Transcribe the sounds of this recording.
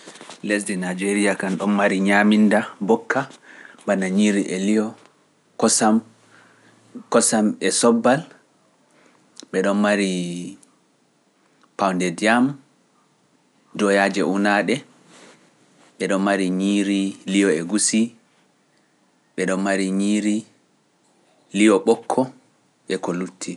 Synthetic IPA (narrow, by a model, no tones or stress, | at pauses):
lesdinad͡ʒeɾijakanɗɔnmaɾiɲamindabɔkːabanaɲiɾiʔɛlijɔ | kɔsam | kɔsamɛsɔbːal | ɓɛɗɔnmaɾi | pawndɛdijam | dɔjad͡ʒɛunaɗɛ | ɓɛɗɔnmaɾiɲiɾilijɔɛɡusi | ɓɛɗɔnmaɾiɲiɾi | lijɔɓɔkʰːɔ | ʔɛkɔlutʰːi